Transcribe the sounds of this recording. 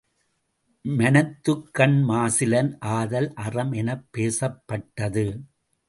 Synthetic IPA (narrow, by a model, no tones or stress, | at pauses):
mɐnɐt̪ːɯkːɐɳmaːsɪlɐnʔaːðɐlʔɐrɐmɛnɐpːeːsɐpːɐʈːɐðɯ